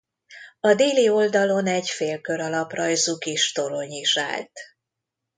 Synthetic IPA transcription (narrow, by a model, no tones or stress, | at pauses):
ɒd̪eːlio̞ld̪ɒlo̞nɛɟfeːlkø̞ɾɒlɒprɒjzukiʃt̪o̞ɾo̞ɲiʃa̰ːlt̪